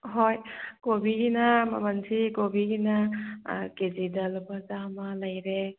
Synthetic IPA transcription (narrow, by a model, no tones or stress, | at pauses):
ɦojkobiɡinɐmɐ̰mɐnsikobiɡinɐ̰ | kezidɐlbazamɐlɐjɾe